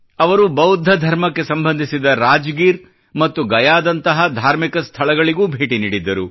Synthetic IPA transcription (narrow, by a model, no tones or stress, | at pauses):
ɐʋɐɾubɐwd̪ʱːɐd̪ʱɐɾmɐkːe̞sɐmbɐnd̪ʱisid̪ɐɾaːd͡ʒɡiːɾ | mɐt̪ːuɡɐjaːd̪ɐnt̪ɐɦɐd̪ʱaːɾmikɐst̪ʰɐɭɐɡɐɭiɡuːbʱeːʈiniːɽid̪ːɐɾu